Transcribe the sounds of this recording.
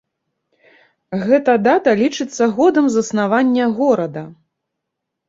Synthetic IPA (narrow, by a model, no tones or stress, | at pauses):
ɣɛt̪ɐd̪at̪ɐlʲit͡ʂɨt̪sːɐɣɔd̪ɐmzɐsnavanʲːɐɣɔɾɐd̪ɐ